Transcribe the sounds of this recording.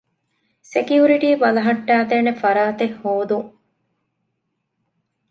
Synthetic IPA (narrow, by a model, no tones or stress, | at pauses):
sekiuɾiʈiːʋɐlɐɦɐʈːæːd̪eːnefɐɾaːt̪ehːoːd̪uŋ